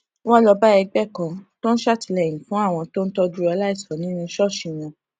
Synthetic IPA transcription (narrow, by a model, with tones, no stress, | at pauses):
wɔ̃˦lɔ˧ba˦ɛ˧ɡ͡bɛ˦˨kã˧to˦n̩˦ʃa˦˨ti˧lɛ˨j̃ĩ˨fũ˨˦a˦˨w̃ɔ̃˧to˦n̩˦tɔ˧du˧˦a˧la˦i˦˨sɔ˨˦nĩ˨˦nĩ˧˦ʃɔ˦˨ʃĩ˨w̃ɔ̃˧